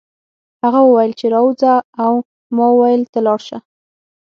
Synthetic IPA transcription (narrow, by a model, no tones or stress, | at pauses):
haɣawəwajəlt͡ʃeɾɑwud͡zaːw | mɑəwajəlt̪alɑɽʃa